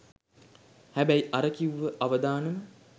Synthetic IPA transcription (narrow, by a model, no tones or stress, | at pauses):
hæbæjʔaɾəkiuʋːəʔaʋəd̪aːnəmə